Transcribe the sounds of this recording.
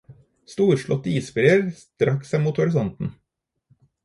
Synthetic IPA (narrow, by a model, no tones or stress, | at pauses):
st̪uːɾʃɭɔt̪ːiːspɾiəɾst̪ɾʔɑksɛmuːt̪hʊɾɪsɔnt̪n̩